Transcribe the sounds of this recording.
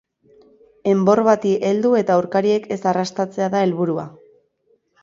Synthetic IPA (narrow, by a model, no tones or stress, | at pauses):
e̞mbo̞rβat̪iʔe̞ld̪ue̞t̪auwɾkaɾie̞ke̞sarast̪at͡se̞aðae̞lβuɾua̰